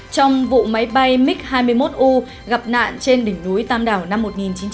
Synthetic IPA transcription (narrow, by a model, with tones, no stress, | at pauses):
t͡ɕɔ˧wŋ͡mvṵ˧˨ma˨˦jɓa˧jmï˦˥k̟̚haː˧jmɨ˧əjmo˦˥t̚ʔu˧ | ɣa˨˩p̚na̰ː˧˨nt͡ɕe˧nɗï˧˩ŋ̟nu˨˦jt̪aː˧mɗaː˧˩wna˧mːo˨˩t̚ŋi˨˩nt͡ɕi˨˦n